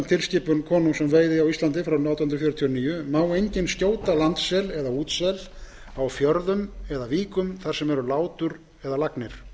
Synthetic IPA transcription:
mt̪ʰɪlscɪːpʏnkʰɔːnusɛmveːjðɪawist̪lant̪ɪfɾawnawt̪annɾfjʏːɾt̪ʰiɔniːjʏmaːwejɲcɪnscoːwt̪alant̪sɛlɛðauːt̪sɛl | awfjœɾðʏmɛðaviːkʏmθaɾ̥sɛmɛɾʏlaːwt̪ʏɾ | ɛðalaknɪɾ̥

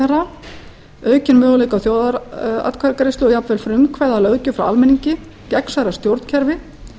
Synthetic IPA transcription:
ɛɾa | œːɥcɪnmœːɣʏlejkawθjoːwðaɾa̰t̪kʰaɾkaɾɪsʏɔjapnvɛlfɾʏmkʰvaːjðalœːɣcʏfɾawa̰lmɛniɲcɪ | cɛksaɾḁst̪jowɾt̪n̥cʰɛɾvɪ

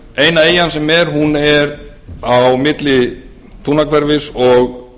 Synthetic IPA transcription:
eːjnaeːjansɛmɛɾhunɛɾ | awmɪt̪lɪ | t̪ʰuːnakʰvɛɾvɪsɔɣ

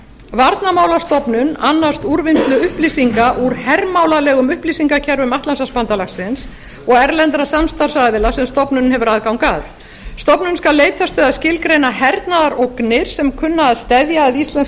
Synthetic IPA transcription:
vaɾt̪namaːwlast̪ɔpnʏnanːḁst̪uɾvɪnt̪lʏʏhplisiŋkaʔuɾ̥hɛrmawlalɛːɣʏmʏhplisiŋkacʰɛɾvʏmaht̪lansaspant̪alaxsɪns | ɔɣɛɾlɛnt̪ɾasamst̪aɾ̥saðɪlasɛmst̪ɔpnʏnhɛvʏɾaðkawnkaːð | st̪ɔpnʏnskalːeːjt̪ʰast̪œːðascɪlkɾejnahɛɾt̪naðaɾʔowknɪɾ̥sɛmkʰʏnːaːðst̪ɛðjaːðist̪lɛn

